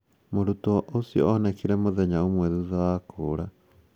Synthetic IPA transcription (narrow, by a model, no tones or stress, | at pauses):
moɾutɔʔosijɔ̰ːnɛkiɾɛmoðɛɲaomwɛðuðawakoːɾa